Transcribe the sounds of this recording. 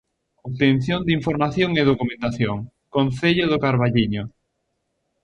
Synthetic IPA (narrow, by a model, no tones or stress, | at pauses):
oβt̪en̟θjond̪iɱfoɾmaθjoŋeðokumẽnt̪aθjoŋ | kõnθeʎʊðʊkaɾβaʎiɲo